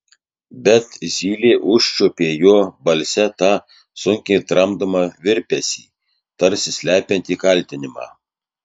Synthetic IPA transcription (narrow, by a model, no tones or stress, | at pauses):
bʲɛt̪zʲiːlʲeːʔʊʃʲt͡ʃʲopʲiɛjuːbɐlʲsʲɛt̪ɑ | sʊŋʲkʲɛɪt̪ɾɐmd̪ɐmɐʋʲɪɾʲpʲɛsʲḭː | t̪ɐɾʲsʲɪsʲlʲæːpʲɛnʲt̪ʲiːkɐlʲt̪ʲɪnʲɪmɑ̰ː